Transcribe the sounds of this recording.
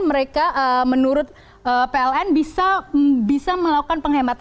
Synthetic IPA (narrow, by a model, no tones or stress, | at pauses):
məɾekaʔəmənuɾʊt̪̚ | ʔəpeɛlɛnbisabisaməlakukanpəŋɦemat̪